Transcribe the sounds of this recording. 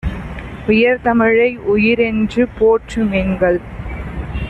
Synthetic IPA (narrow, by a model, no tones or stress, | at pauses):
ʊjɐɾt̪ɐmɪɻɐɪʊjɪɾɛndrɯpoːʈrɯmenɡɐɭ